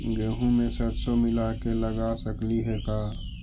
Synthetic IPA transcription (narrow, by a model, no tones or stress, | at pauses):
ɡeːɦũmẽsət̪somɪlakeləɡasəkliɦɛkaː